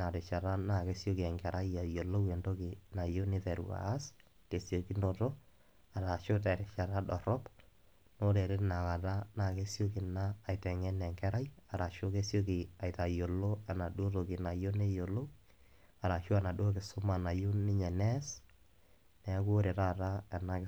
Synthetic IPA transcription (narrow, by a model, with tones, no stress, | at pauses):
na˨ɾe˨t͡ʃa˨ɾa˦na˨ke˦sjo˦kɪ˨ɛ˨ŋɡɛ˨ɾʔa˦ja˨jo˨lo˦wɛ˨ndo˦kɪ˨na˨jo˦nɪ˦ðɛ˨ɾṵ˨a̰ː˨˦s | te˨sjo˨ki˦ndo˨to˦ | a˨ɾa˨ʃo˦t̬ɛ˨ɾɛ˨ʃa˨ɾa˦ɗɔ˨ɾɔ˦p | no˦ɾɛ˨ɾɪ˦tna˨ka˨ta˦na˨ke˦sjo˦kɪ˨naː˦˨jtɛ˨ŋɛ˦nɛ˨ŋkɛ˦ɾa˦ja˨ɾa˨ʃo˦ke˦sjo˦kɪ˨a˨jta˨jo˨lo˦a˨na˨ɗo˦to˨kɪ˨na˨jo˦ne˦jo˨lo˦ | a˨ɾa˨ʃo˦a˨na˨do˦kɪ˨sʊ˦ma˨na˨jo˦nɪ˦ɲɛ˨nɛ˦s | nɛ˨˦ko˦ɾe˨ɾa˦ɾa˦ɛ˨na˨